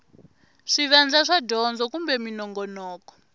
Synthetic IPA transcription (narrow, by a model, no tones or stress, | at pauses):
ʂiʋand͡zaʂadʱɔnd͡zɔkumbɛminɔŋɡɔnɔːkɔ̥